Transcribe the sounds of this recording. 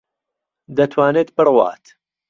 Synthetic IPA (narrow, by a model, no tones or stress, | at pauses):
d̪ɐt̪ʰwaːneːt̪̚bɨrwa̰ːt̪